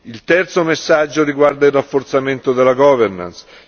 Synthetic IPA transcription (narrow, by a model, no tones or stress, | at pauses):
ilt̪ɛrt̪somesːad͡ʒːoɾiɡward̪ailrːafːort̪sament̪od̪elːaɡɔːverna̰ns